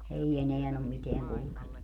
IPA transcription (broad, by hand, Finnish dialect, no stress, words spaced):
ei eneæn om miteæŋ kulŭkenːu